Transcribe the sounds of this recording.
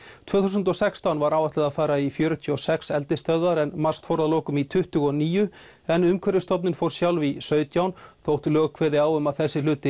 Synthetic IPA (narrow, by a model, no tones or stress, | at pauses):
t̪ʰvœːθusʏnt̪ɔsɛkst̪anvaɾawvaht̪lɛðafaːɾaifjœːɾʏt̪ʰiɔwsɛksɛlt̪ɪst̪œððaɾɛnmar̥st̪fɔɾðalowkʏmit̪ʰʏht̪ʏɣɔniːjʏɛnʏmkʰœɾɪst̪ɔpnɪnfowɾ̥sjawlvisœːɥt̪jawnθowht̪lœːɣkʰvɛːðɪaːwʏmaðθɛsːɪlʏːt̪ɪ